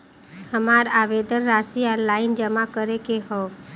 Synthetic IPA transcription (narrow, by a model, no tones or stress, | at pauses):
həmaɾaʋed̪ənːasialaːɪnd͡ʒəmakəɾekeɦɔ